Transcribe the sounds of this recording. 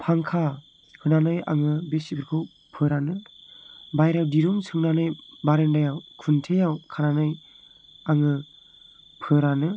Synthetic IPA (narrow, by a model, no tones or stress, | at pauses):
pʰaŋkʰa | hɯnanɯja̰ŋɯbesibʰɯɾkʰɯw | pʰɯɾanɯ | bajɾawdiɾuŋsʰɯŋnanɯjbaɾendajawkʰuntʰejawkʰananɯj | aŋɯ | pʰɯɾanɯ